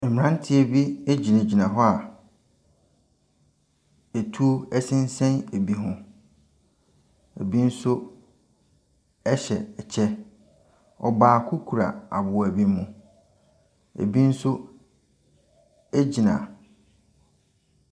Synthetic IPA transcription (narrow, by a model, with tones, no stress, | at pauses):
ɛ˨mɪ̃˨ã˦n˦tʰɪ˦e˨bi˦e˦d͡ʑi˨nã˨d͡ʑi˨nã˨ɦɔ˦a˨ | e˨tʰu˦o˦ɛ˦sɪ̃˦n̩˦sɛ̃˦ne˨bi˨ɦʊ̃˨ | ḛ˨bi˦n̩˦sʊ˦ | ɛ˦ɕɛ˨ɛ˨t͡ɕʰɛ˦ | ɔ̰˨baː˨kʰʊ˦kʰu˨ɾa̰˨a̰˨bʊ˨æ˨bi˦mũ˨ | ḛ˨bi˦n̩˦sʊ˦ | e˦d͡ʑi˨nã̰˨